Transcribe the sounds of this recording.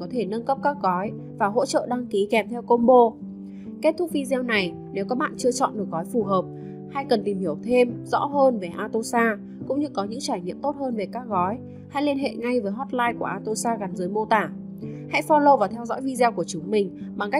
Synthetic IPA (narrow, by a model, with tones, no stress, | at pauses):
kɔ˨˦t̪ʰe˧˩nə˧nkə˦˥p̚kaəː˦˥k̚ɣɔ˨˦j | vaː˨˩ɦo̰˧˥t͡ɕə̰ː˧˨ɗa˧ŋki˨˦kɛ˨˩mt̪ʰɛ˧wko˧nɓo˧ | ke˦˥t̪̚ʰʊ˦˥k̚vi˧zɛ˧wna˨˩j | ne˨˦wkɔ˨˦ɓa̰ː˧˨nt͡ɕɨ˧ət͡ɕɔ̰˧˨nɗɨ˨˩ək̚ɣɔ˨˦jfu˨˩ɦəː˨˩p̚ | ha˧jkə˨˩nt̪i˨˩mhi˧˩əwt̪ʰe˧mzɔ̰˧˥ɦəː˧nve˨˩ʔaː˧t̪o˧saː˧ | kʊ̰˧˥ŋ͡mɲɨ˧kɔ˨˦ɲɨ̰˧˥ŋt͡ɕaː˧˩jɲḭ˧˨əmt̪o˦˥t̚həː˧nve˨˩kaː˦˥k̚ɣɔ˨˦j | ha̰˧˥jli˧ənɦḛ˧˨ŋa˧jvəː˨˦jɦɔ˦˥t̚laː˧jku˧˩əʔaː˧t̪o˧saː˧ɣa˨˦nzəː˨˦jmo˧t̪aː˧˩ | ha̰˧˥jfɔ˧lo˧wvaː˨˩t̪ʰɛ˧wzɔ̰˧˥jvi˧zɛ˧wku˧˩ət͡ɕʊ˨˦ŋ͡mmï˨˩ŋ̟ɓa˨˩ŋka˦˥